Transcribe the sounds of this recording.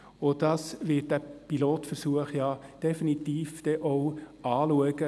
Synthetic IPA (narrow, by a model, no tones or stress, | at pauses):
od̥ɑsʋɪt̚d̥æpiloːtfəɾsuəχjɑd̥efinit̪iːfd̥ɛʔoʊɑːluəɡ̥ə